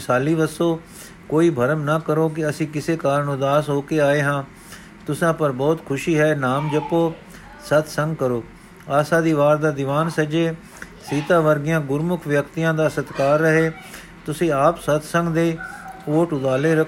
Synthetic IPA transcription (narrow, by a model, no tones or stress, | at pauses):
saːliːʋəsoː | koːiːbʱəɾəmnaːkəɾoːk̬ɪəsĩːkɪseːkaːɾənʊd̪aːsɦoːkeːaːeːɦãː | t̪ʊsãːpəɾbɔːt̪kʰʊʃiːɦɛːnaːmd͡ʒəpoː | sət̪ʰsə̃ŋɡkəɾoː | aːsãːd̪iːʋaːɾd̪aːd̪ɪʋaːnsəd͡ʒeː | siːt̪aːʋəɾɡɪjãːɡʊɾmʊkʰʋjəkt̪ijãːd̪aːsət̪kaːɾːəɦeː | t̪ʊsĩːaːpsət̪ʰsə̃ŋɡd̪eːoːʈʊd̪aːleːɾək